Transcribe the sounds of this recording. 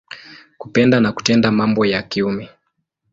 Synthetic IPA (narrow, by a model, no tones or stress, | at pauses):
kupɛndanaku̥tɛndamambɔjakiumɛ